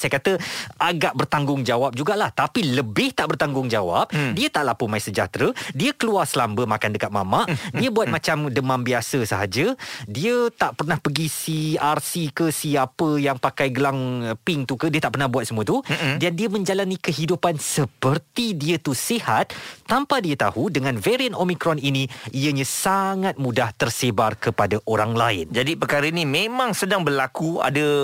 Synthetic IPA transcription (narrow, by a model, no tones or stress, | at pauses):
sajəkat̪əaɡaʔbərt̪aŋɡʊŋd͡ʒawap̚d͡ʒuɡaʔlaht̪apiləbɪht̪aʔbərt̪aŋɡʊŋd͡ʒawa̰p̚diət̪aʔlapumaisəd͡ʒa̰t̪ɾədiəkəluarsəlambəmakandəkat̪̚ma̰maʔdiəbuat̪̚mãt͡ʃamdəmãnbiasəsəɦa̰d͡ʒədiət̪aʔpərnahpəɡisiarsikəsiapəjaŋpakajɡəlaŋpɪŋt̪ukədiət̪aʔpərnahɦbuat̪̚səmuət̪udandiəmə̃ɲd͡ʒalanikəɦidupansəpərt̪idiət̪usihat̪̚ːampadiət̪a̰hudəŋãnveɾiənomikɾɔniniʔiəɲãsaŋat̪̚mũdaht̪ərsebarkəpadaʔoɾaŋlaɪnd͡ʒadipəkaɾainimẽmãŋsədaŋbərlakua̰da